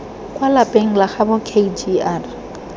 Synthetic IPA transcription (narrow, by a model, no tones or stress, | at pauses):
kʼwalapʼeŋ̩laχabɔkʰed͡ʒiar